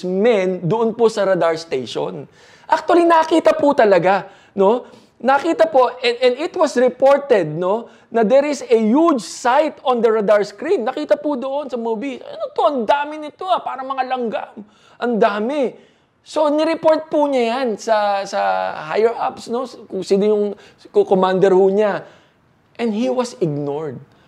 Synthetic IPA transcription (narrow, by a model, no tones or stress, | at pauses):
mɛnd̪oʔonposɐɾɐd̪aɹst̪ejʃo̰n | ʔak̚t̪ʊɐlinɐkiːt̪ɐpʊt̪ɐlɐɡa | no̞ | nɐkiːt̪ɐpo̞ʔɛɛnɪt̪wɐsɹɪpo̞ɹt̪ɛd̪̚no̞ | nɐd̪ɛɾɪsɐjud͡ʒsajt̪ond̪ɐɹɐd̪aɹskɾinːɐkiːt̪ɐpʊd̪oʔo̞nsɐmubisɐ̰not̪oɐnd̪aːmɪnɪt̪o̞ɐpaːɾɐŋmɐŋalɐŋɡa̰m | ʔɐnd̪aːmɪ | so̞nɪɾɪpo̞ɹt̪̚puɲajansɐsɐhajɛɹʔa̰psno̞skʊŋsɪd̪ɪjʊŋ | kokomand̪ɛɾhʊɲa | ʔɛ̃nd̪hiwɐsɪɡ̚noɹd̪̚